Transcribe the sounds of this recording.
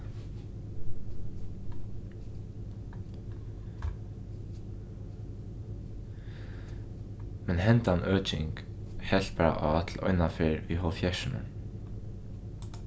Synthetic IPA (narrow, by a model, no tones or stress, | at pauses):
mɛnɦɛnt̪anʔœːt͡ʃɪŋk | hɛl̥t̪̚paːɾa̰ʔaːt̪ʰlɔ̰jnafɪɾʋiɦɔfjɛʂɪnʊ̰